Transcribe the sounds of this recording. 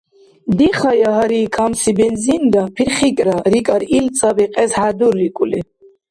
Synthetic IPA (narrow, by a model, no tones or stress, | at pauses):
d̪iχajaɦaɾikʰamsibɛnzind̪apʰiɾχikʼɾaɾikʼaɾilt͡sʼabiqʼɛsħad̪uɾːikʼuli